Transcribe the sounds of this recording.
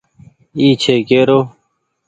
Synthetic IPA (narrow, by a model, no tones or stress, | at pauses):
iːt͡ɕʰeːkeːɾoː